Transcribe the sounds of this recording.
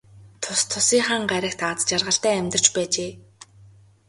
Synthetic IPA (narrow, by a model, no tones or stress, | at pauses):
t̪ʰʊst̪ʰːʊsiːŋχaːŋɢæɾʲɪ̆kt̪at͡st͡ɕarʁə̆ɬt̪æːæmʲt̪ə̆r̥t͡ɕpæːt͡ɕeː